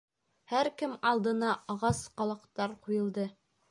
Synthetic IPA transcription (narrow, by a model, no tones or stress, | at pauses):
hæɾkɘmɑlˠd̪ɤ̆nɑʔɑʁɑsqɑlˠɑqt̪ɑɾqujɤ̆lˠd̪ɤ